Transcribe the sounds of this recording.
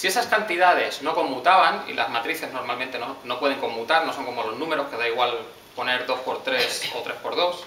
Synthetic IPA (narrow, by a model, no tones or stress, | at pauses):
sie̞saskant̪iðað̞e̞sno̞ko̞mːut̪aβanḭlʔa̰zmat̪ɾiθe̞zno̞ɾmalmẽnt̪e̞nono̞pwe̞ð̞e̞ŋko̞mːut̪aɾno̞so̞ŋko̞mo̞lo̞znũme̞ɾo̞ske̞ðaiɣwal | po̞ne̞ɾðo̞spo̞ɾt̪ɾe̞so̞̰t̪ɾe̞spo̞ɾð̞o̞s